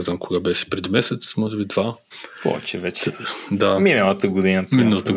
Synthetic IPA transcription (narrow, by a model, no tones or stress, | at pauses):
ɛznamkoɡabɛʃɛ̥pɾɛd̪imɛsɛt̪smɔʒɛbid̪va | pɔ̰vɛ̰t͡ʃɛvɛt͡ʃɛd̪aminəlˠət̪əɡod̪inəminəlˠət̪ə